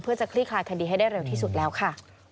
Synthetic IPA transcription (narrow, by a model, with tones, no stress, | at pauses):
pʰɯ˥˩ɐt͡ɕa˨˩kʰliː˥˩kʰlaː˧˩jkʰa˧diː˧a˥˩jdaː˥˩jɾe˧wt̪ʰiː˥˩su˨˩t̪̚lɛː˦˥wkʰa˥˩